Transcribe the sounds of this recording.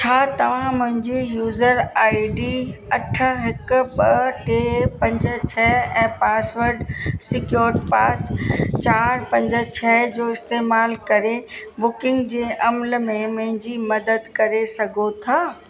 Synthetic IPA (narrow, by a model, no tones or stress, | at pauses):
t͡ɕʰaːt̪ɐʋ̤ãmʊ̃ɦɪ̃ɲd͡ʑijuːzəɾaːiɖiɐʈʰə̆ɦɪkʊ̆bɐʈeːpɐ̃ɲd͡ʑə̆t͡ɕʰɛːɛ̃ːpaːsʋəɾɖsɪkjoːɾɪʈpaːst͡ɕaːɾpɐ̃ɲd͡ʑə̆t͡ɕʰɛːd͡ʑoːɪst̪eːmaːlkɐɾebʊkɪ̃ŋɡd͡ʑeːʔɐmlmẽmʊ̃ɦɪ̃ɲd͡ʑimɐd̪əd̪kɐɾesɐɡʱot̪ʰaː